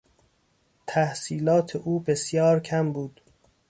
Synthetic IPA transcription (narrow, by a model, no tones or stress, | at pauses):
t̪ʰæhsiːlɒːt̪ʰeʔuːbe̞sjɒːɾcʰæmbuːd̪̥